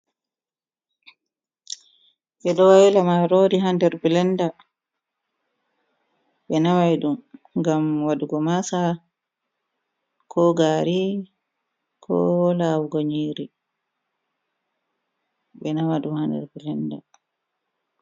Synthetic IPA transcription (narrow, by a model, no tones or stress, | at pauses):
ɓɛɗɔwajlamaɾoːɾiɦandɛɾbilɛnda | ɓɛnawajɗumŋɡamwaduɡɔmasa | kʰɔɡaːɾi | kʰɔ̰lawɡoɲiːɾi | ɓɛnawaɗumhandɛ̰ɾbilɛnda̰